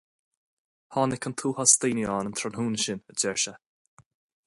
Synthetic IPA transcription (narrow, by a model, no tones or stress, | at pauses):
hɔːnɪkʰənt̪ʰuːhɔst̪iːniɔːnənt̪ʰɾanhuːnʃɪnəd͡ʒɛɹʃə